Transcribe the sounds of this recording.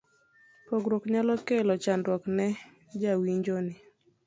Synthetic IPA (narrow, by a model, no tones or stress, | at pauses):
poɡɾokɲalɔkelɔt͡ʃandwɔknɛ | d͡ʒawiɲd͡ʒonɪ